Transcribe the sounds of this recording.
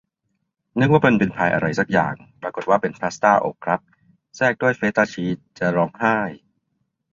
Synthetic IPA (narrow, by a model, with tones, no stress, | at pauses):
nɯ˦˥k̚waː˥˩pe˧npe˧npʰaː˧jʔa̰˧ɾa˧jsa˨˩k̚ja̰ː˨˩ŋpɾaː˧ko˨˩t̪̚waː˥˩pe˧npʰaː˦˥st̪aː˥˩ʔo̰ː˨˩kʰɾa˦˥p̚ | sɛː˥˩k̚du˥˩əjfeː˦˥t̪aː˧˩t͡ɕʰiː˦˥t̪̚t͡ɕa˨˩ɾɔː˧˥ŋhaː˥˩j